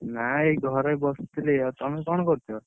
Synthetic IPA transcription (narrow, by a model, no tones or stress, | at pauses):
naeɡʱɔɾɔjbɔst̪ʰileɔt̪ɔmekɔñɔkɔɾt̪ʰɔ